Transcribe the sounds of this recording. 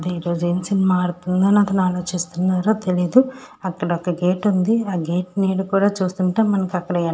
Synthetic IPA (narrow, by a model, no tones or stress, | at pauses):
ɐd̪eiːɾo̞ːd͡ʒue̞ːmisinɛmaːɽut̪und̪ɐniɐt̪ɐnaːlo̞ːt͡ʃist̪unːaːɾo̞ːt̪e̞lijd̪u | ɐkːɐɽɐɔkɐɡeːʈund̪iaːɡe̞ːʈneːɽukuːɽaːt͡ʃuːst̪uɳʈe̞ːmɐnɐkiɐkːɐɽɐa